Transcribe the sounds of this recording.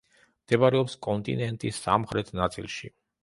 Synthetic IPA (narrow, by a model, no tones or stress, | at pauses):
md̪̥ɛbaɾɛɔpskʼɔnt̪ʼḭnɛnt̪ʼisːa̰mχɾɛt̪ʰnat̪sʼilˠʃḭ